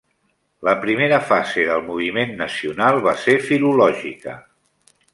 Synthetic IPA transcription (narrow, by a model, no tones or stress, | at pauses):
ləpɾimeɾəfazeðəlˠmuβ̞imenːəsiunalˠβasefilulɔʒikə̰